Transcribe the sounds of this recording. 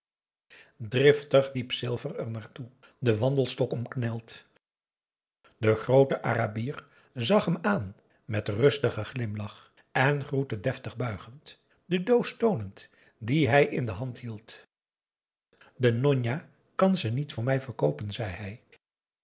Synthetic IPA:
drɪftəχlipsɪlˠvərɛɹnaːɹtudəʋɑndəlˠstɔkɔmknɛlˠt | d̥əχrowtəʔaːrabiːr | zɑχɦəmaːn | mɛtrɵstəχəχlɪmlɑχ | ɛnχrutədɛftəχbœɥχənt | d̥ədowstownənt | diɦɛjɪndəɦɑntɦilˠt | dənɔɲa | kɑnzənitfʊːɹmɛjvəɹkowpənzɛjɦɛj

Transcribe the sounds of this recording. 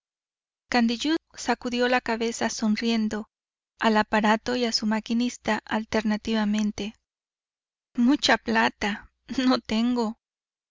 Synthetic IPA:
kand̪iʎusakuðjo̞lakaβe̞sasonrje̞nd̪o̞ | alapaɾat̪o̞iasumakinist̪aʔalt̪eɾnat̪iβamẽ̞nt̪e | mut͡ʃaplat̪a | not̪eŋɡo

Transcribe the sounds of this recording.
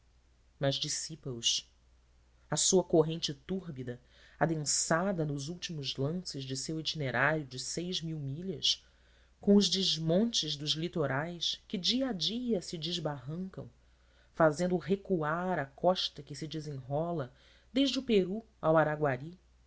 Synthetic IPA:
mɐzd͡ʒisipɐʊs | ɐsuɐkoɦẽnt͡ʃɪt̪uɦbid̪ɐ | ad̪ẽsad̪ɐnʊzuwt͡ʃimʊzlɐ̃sɪzd͡ʒɪsewit͡ʃineɾʔaɾjʊd͡ʒɪsejʒmiwmiʎɐs | kõw̃ʊʒd͡ʒɪʒmõnt͡ʃɪzd̪ʊzlit̪oɾajskɪd͡ʒiɐad͡ʒiɐsɪd͡ʒɪʒbaɦɐ̃ŋkɐ̰̃w̃ | fazẽnd̪ʊɦekuaɾɐkɔʃt̪ɐkɪsɪd͡ʒɪzẽŋɦɔlɐ | d̪eʒd͡ʒʊpeɾu | awaɾaɡwaɾi

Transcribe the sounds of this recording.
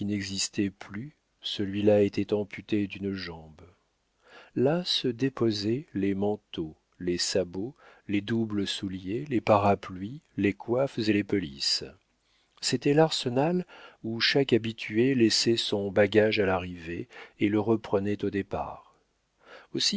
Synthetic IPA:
kinɛɡzist̪ɛply | səlɥilaet̪ɛt̪ɑ̃pʰyt̪ed̪ynʒɑ̃b | lasəd̪epozɛlemɑ̃t̪o | lesaboled̪ubləsuljelepaʁaplɥilekwafzelepəlis | set̪ɛlaʁsənaluʃakabit̪ʰyelɛsɛsɔ̃baɡaʒalaʁiveːləʁəpχənɛt̪od̪epa̰ːʁ | osi

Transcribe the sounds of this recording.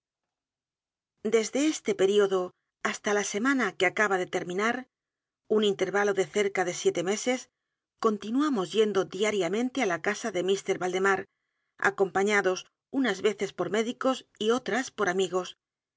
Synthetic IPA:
d̪e̞zðe̞est̪e̞pe̞ɾio̞ðo̞ | ast̪alase̞manakeakaβaðe̞t̪e̞ɾmĩnaɾ | unint̪e̞ɾβalo̞ðe̞θe̞ɾkaðe̞sje̞t̪e̞me̞se̞s | ko̞nt̪inuamo̞zje̞nd̪oðiaɾjamẽ̞nt̪ealakasaðe̞mist̪e̞ɾβald̪emaɾ | a̰ko̞mpaɲaðo̞s | unazβe̞θe̞spo̞ɾme̞ðiko̞sio̞t̪ɾaspo̞ɾamiɣ̞o̞s

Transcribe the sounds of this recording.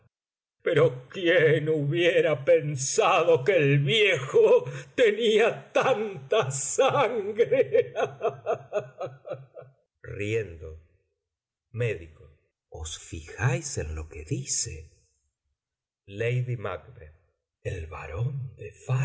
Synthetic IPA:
pe̞ɾo̞kjenuβjeɾape̞nsaðokeːlβjexot̪e̞niat̪ant̪asaŋɡɾee | rjend̪o | meðiko | osfixajsḛnlo̞keðisḛ | lejðima̰kbeɾ | elβa̰ɾond̪efa

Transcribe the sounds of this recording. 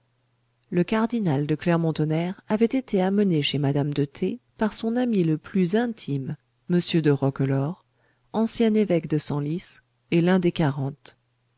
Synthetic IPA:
ləkaʁd̪inald̪əklɛʁmɔ̃t̪ɔnɛʁavɛt̪et̪eaməneʃemad̪amd̪ət̪ʰepaʁsɔ̃namiləplyzɛ̃t̪ʰimː | əsjød̪əʁɔklɔʁ | ɑ̃sjɛ̃nevɛkd̪əsɑ̃lis | elɛ̃d̪ekaʁɑ̃t̪

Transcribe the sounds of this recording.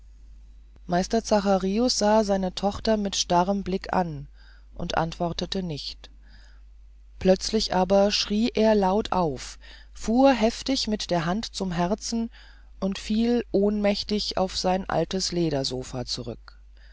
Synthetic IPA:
maɪstɐt͡saχaʁiʊsz̥aːzaɪnətʰɔχtɐmɪtʃtaʁəmblɪkʰa̰n | ʔʊntʔa̰ntv̥ɔɐtətənɪçt | pʰlœt͡slɪçʔaːbɐʃʁ̥iːʔeːɐlaʊtʰʔa̰ʊfː | uːɐɦɛftɪçmɪtd̥eːɐɦantt͡sʊmɦɛʁt͡sn̩ | ʔʊntfiːlʔoːnmɛçtɪça̰ʊfz̥aɪnʔa̰ltəsleːɾɐzoːfa̰t͡suʁ̞ʏ̰k

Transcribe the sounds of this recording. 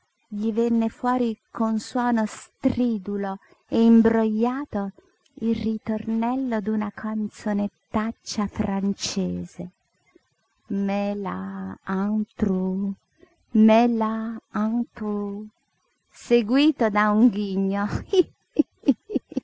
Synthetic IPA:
ʎivɛnːefwɔːɾikʰonswɔːnost̪ɾiːd̪ulo | eimbɾojːaːt̪o | ilrit̪ornɛlːod̪unakʰant̪sonet̪ːat͡ʃːafɾʔant͡ʃɛeːz̥e | mɛla̰ant̪ɾu | mɛlaant̪u | seɡwiːt̪od̪auŋɡiɲːo

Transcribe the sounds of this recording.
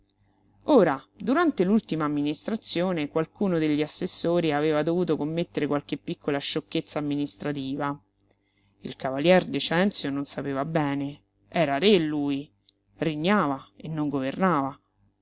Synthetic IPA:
oːɾad̪uɾant̪elult̪imaːmːinist̪ɾat̪sːjoːnekwalkuːnod̪eʎːiasːesːoːɾiaveːvad̪ovuːt̪okomːet̪ːeɾekwalk̟epːikːolaʃːokːet̪sːaːmːinist̪ɾat̪̬iːva | ilkavaljɛrd̪et͡ʃɛnt̪sjononsapeːvabɛːne | ɛːɾaɾelːuːi | riɲːaːvaenːoŋɡovernaːva

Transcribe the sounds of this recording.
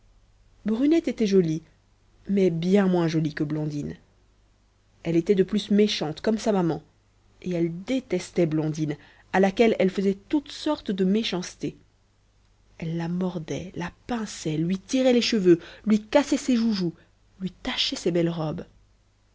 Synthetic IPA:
bʁynɛt̪et̪ɛʒɔli | mɛbjɛ̃mwɛ̃ʒɔlikəblɔ̃d̪in | ɛlet̪ɛd̪əplysmeʃɑ̃t̪kɔmsamamɑ̃ | eɛld̪et̪ɛst̪ɛblɔ̃d̪in | alakʲɛlɛlfəzɛt̪ut̪sɔʁt̪d̪əmeʃɑ̃st̪e | ɛlːamɔʁd̪ɛlapɛ̃sɛlɥit̪iʁɛleʃəvølɥikasɛseʒuʒu | lɥit̪aʃɛsebɛlʁɔb

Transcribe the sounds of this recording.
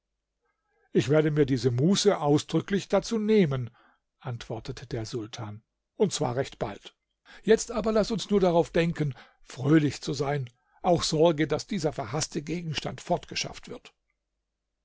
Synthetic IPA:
ʔɪçv̥eːɐdəmiːɐdiːzəmuːsəʔaʊsd̥ʁʏklɪçd̥at͡suːneːmən | ʔantv̥ɔɐtətʰədeːɐzʊltʰaːn | ʊnt̚t͡sv̥a̰ːɐʁɛçtb̥a̰lt | jɛt͡stʔaːbɐlasʊnsnuːɐdaʁaʊfd̥ɛŋkən | fʁ̥øːlɪçt͡suzaɪn | ʔaʊxz̥ɔɐɡədasd̥iːzɐfɛɐɦastʰəɡeːɡŋ̩ʃta̰ntfɔɐtɡ̥əʃa̰ftv̥ɪɐt

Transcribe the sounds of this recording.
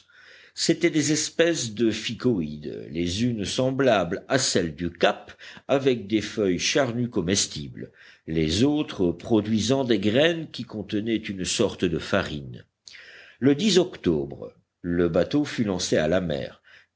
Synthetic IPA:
set̪ɛd̪ezɛspɛsd̪əfikɔid̪lezynsɑ̃blablasɛld̪ykapavɛk̚d̪efœjʃaʁnykɔmɛst̪ibl | lezot̪χəpχɔd̪ɥizɑ̃d̪eɡʁɛnkʲikɔ̃t̪ənɛt̪ynsɔʁt̪d̪əfaʁin | ləd̪izɔkt̪ɔ̰bʁ | ləbat̪ofylɑ̃sea̰lamɛ̰ːʁ

